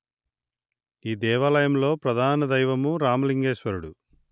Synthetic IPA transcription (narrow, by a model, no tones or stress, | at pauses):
iːd̪ɛːʋaːlɐjɐmlo̞ːpɾɐd̪ʱaːnɐd̪ɐjʋɐmuɾaːmuliŋɡeːʃʋɐɾuɽu